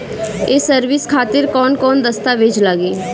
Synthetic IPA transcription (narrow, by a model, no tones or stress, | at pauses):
eːsəɾʋɪskʰaːt̪ɪɾkɔːnkɔːnd̪əst̪aʋeːd͡ʒlaːɡeː